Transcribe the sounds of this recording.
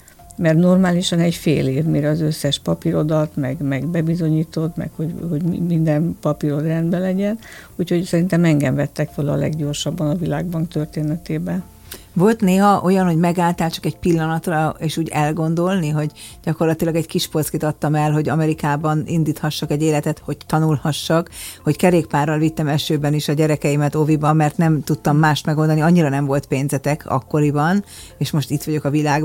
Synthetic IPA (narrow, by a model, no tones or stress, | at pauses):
mɛrt̪no̞rmaːliʃɒnɛcfḛːleːvmiɾɛːzøsːɛʃpɒpiɾo̞d̪ɒlt̪mɛɡmɛɡbɛbizo̞ɲiːt̪o̞t̪mɛ̰khoɟho̞ɟmind̪ɛnpɒpiɾo̞d̪rɛnd̪bɛlɛɟɛn | uːcho̞csɛɾint̪ɛmɛŋɡɛɱvɛt̪ːɛkʋolɒːlɛ̰ɡɟo̞rʃɒbːɒnɒvilaːɡbɒŋkt̪ørt̪eːnɛt̪eːbɛn | vo̞lt̪neːɦɒʔo̞jɒnho̞ɟmɛɡaːlt̪aːlt͡ʃɒ̥kɛɟpilːɒnɒt̪rɒeːʃuːɟɛlɡo̞nd̪o̞lniɦo̞ɟɟɒko̞rlɒt̪ilɒɡɛɟkiʃpo̞skit̪ɒt̪ːɒmɛlɦo̞ɟɒmɛɾikaːbɒnind̪iːt̪hɒʃːɒkɛɟeːlɛt̪ɛt̪ho̞ɟ̚t̪ɒnulhɒʃːɒkho̞ckɛɾeːkpaːrːɒlvit̪ːɛmɛʃøːbɛniʃɒɟɛɾɛkɛjimɛt̪o̞vibɒmːɛrt̪nɛmt̪ut̪ːɒmːaːʃt̪mɛɡold̪ɒniɒɲːiɾɒnɛɱvo̞lt̪peːnzɛt̪ɛkʰɒ̰kːo̞ɾibɒn | eːʃmo̞ʃt̪it̪ʋɒɟo̞kɒvilaːɡ